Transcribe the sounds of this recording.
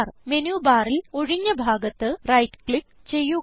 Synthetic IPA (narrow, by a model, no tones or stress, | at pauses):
rmenjuːbaːrilo̞ɻiɲːɐbʱaːɡɐt̪ːɨrɐjtkɭik | t͡ɕe̞jːu